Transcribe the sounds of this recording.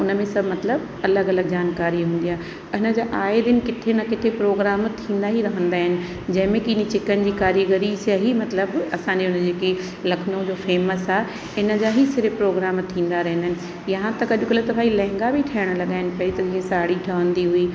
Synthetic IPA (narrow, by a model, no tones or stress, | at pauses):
ʊnə̆mẽsɐbmɐt̪ləb | ɐləɡɐləɡ̚d͡ʑaːnkaːɾiɦũːnd̪ijaːɦ | ɐɦɪnə̆d͡ʑaːʔaːed̪ɪnɪ̆kɪʈʰenɐkɪʈ̪ʰepɾoːɡɾaːmt̪ʰĩːnd̪aɦiɾɐɦə̃nd̪aːɦɪnɪ̆ | d͡ʑɐ̃ɦɪ̃mẽkiːnĩt͡ɕɪkənɪ̆d͡ʑiːkaːɾiɡəɾisjaɦimɐt̪ləbɐsãːɲ̆d͡ʑiʊnəd͡ʑeːki | lɐkʰnõd͡ʑoːfeːməsaː | ɪnə̆d͡ʑaːɦisɪɾɪpɾoːɡɾaːmt̪ʰĩːn̆d̪aɾɐɦɪnəɦɪnɪ̆ | jɐɦãt̪ɐkɐɗʊkɐlet̪ɐʋaːilɛ̃ːŋɡabʱiʈʰɐːəɽ̃əlɐɠaːɦɪnɪ̆pɐit̪ɐd͡ʑĩːə̃saːɽiʈʰɐʋə̃nd̪iɦuiː